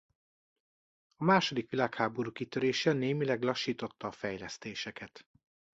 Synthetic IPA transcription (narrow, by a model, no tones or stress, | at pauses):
ɒmaːʃo̞d̪ikʋilaːkhaːbo̞ɾuːkit̪øɾeːʃɛneːmilɛɡlɒʃːiːt̪o̞t̪ːɒːfɛjlɛst̪eːʃɛkɛt̪